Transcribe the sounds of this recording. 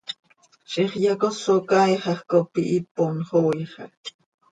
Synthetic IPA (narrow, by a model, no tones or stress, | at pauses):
ʃiχjɑkosokɑjχɑχkopiʔiponχoːjχɑ̰k